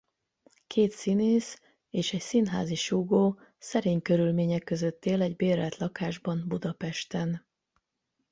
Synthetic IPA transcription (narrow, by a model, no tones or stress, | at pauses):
kʰeːt̪sineːs | eːʃɛcsinɦa̰ːziʃuɡoː | sɛɾeːɲkøɾylmeːɲɛkːøzøt̪ːeːlɛɟbeːɾɛt̪lɒkaːʒbɒmbud̪ɒpɛʃt̪ɛn